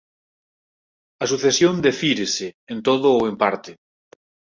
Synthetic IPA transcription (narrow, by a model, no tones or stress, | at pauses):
ɐsuθesjond̪efiɾeseːnt̪oðoːempaɾt̪e